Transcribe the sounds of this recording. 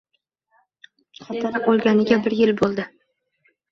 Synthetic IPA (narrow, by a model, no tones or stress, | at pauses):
qʰat̪ʰaɾɪqolˠɡʲanɪɡʲabɪɾjɪlbolˠd̪ɪ